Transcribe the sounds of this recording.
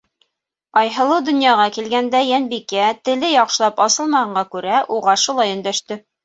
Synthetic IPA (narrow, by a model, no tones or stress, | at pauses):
ɑjɦɤ̆lˠɤwd̪ŏnjɑʁɑkilɡænd̪æjænbikæt̪ɘ̆lɘjɒqʃɤ̆lˠɑpɑsɤ̆lˠmɑhɑɴɢɑkʉɾæʔuʁɑʃulˠɑjɵ̆nd̪æʃt̪ɘ